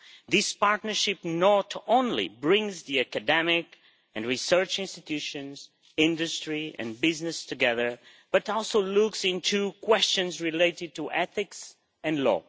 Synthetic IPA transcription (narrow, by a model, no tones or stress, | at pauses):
ðɪspaɹtnə˞ʃɪpnɔtʰõʊ̃nlḭbɹɪ̃ŋzðiɨkɨdɛmɪk | ɨ̃nɹisɜ˞t͡ʃɪ̃nstɨtʰjʉʃɨ̃nz | ɪ̃ndɨstɹ̥iɨ̰̃nbɪznɨstʰɨɡɛðə˞ | b̥ʌɾɔlˠsoʊluksɪ̃ntʰukʰw̥ɛst͡ʃɨ̃nzɹɪleɪɾɪd̚tuʔɛθɪks | ɨ̃nlɔ̰